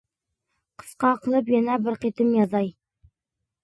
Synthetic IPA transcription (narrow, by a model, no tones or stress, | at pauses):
qʰə̥sqɑqəlˠəpjɑnɑbɪɾqit̪ɪmjɑzɑj